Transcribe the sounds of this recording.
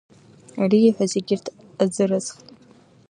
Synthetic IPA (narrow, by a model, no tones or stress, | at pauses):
ariːħʷazeɡʲɪrtʰ | azɨrɨzχtʼ